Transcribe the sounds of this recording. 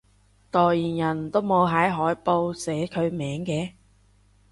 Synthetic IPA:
t̪ɔː˨˩jjiː˨˩njɐ˨˩nt̪o˥wmo˨˧wɦɐ˨˥jɦɔː˨˥jpo˧wsɛː˨˥kʰɵ˨˧ɥmɛː˨˥ŋkɛː˧

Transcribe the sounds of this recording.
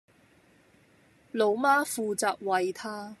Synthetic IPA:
lo˨˧˥wmaː˥fuː˨˧t͡saː˨k̚wɐ˨jt̪ʰaː˥

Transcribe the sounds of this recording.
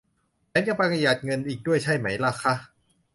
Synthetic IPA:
t͡ɕɛ˨˦˥nt͡ɕa˧˥pa˧kʰa˧ja˨˩t̪̚ŋɤ˧nʔiː˨˩k̚du˥˩əjt͡ɕʰa˥˩jma˦˥jla˧˩kʰa˦˥ʔ

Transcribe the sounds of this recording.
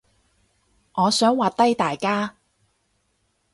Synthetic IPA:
ŋɔː˨˧sœː˨˥ŋwaː˨t̚t̪ɐ˥jt̪aː˨jkaː˥

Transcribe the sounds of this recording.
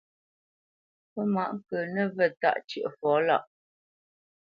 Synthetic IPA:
pə˦ma˨ʔŋ̩˦kə˨nə˦˨və˨ta̰˦˨ʔt͡ʃə̰˨ʔə˨fɔː˨˦la̰˦˨ʔ

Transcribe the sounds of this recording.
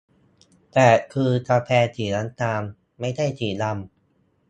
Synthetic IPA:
t̪ɛː˨˩kʰɯː˧t̪ʰaː˧pʰɛː˧t̪ʰiː˨˩la˦˥nt̪aː˧ŋ | ma˥˩jda˥˩jt̪ʰiː˨˩la˧m

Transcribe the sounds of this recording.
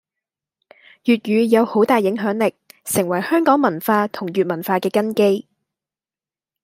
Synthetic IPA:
jyː˨t̚jyː˨˧jɐ˨˧who˨˥wt̪aː˨jɪ˨˥ŋɦœː˨˥ŋlɪ˨k̚sɪ˨˩ŋwɐ˨˩jhœː˥ŋkɔː˨˥ŋmɐ˨˩nfaː˧t̪ʰʊ˨˩ŋjyː˨t̚mɐ˨˩nfaː˧kɛː˧kɐ˥nke˥j

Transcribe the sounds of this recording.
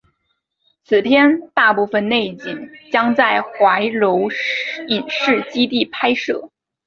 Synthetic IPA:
t͡sʰɹ̩˨˩t̪ʰjɛ˥nt̪a˥˧pu˥˩fə˧nne˥˩ɪt͡ɕi˨˩ŋt͡ɕjɑ˥ŋt͡sa˥˩ɪxwa˧˥ɪɻo˧˥ʊi˨˩nʂɻ̩˥˩t͡ɕi˥t̪i˥˩pʰa˥ɪʂɤ˥˩

